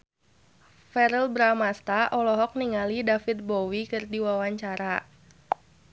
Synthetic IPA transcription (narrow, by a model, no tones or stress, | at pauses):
fɛɾəlbɾamast̪aʔɔlɔɦɔk̚niŋalidafit̪̚bɔwikɨrdiwawaɲt͡ʃaɾa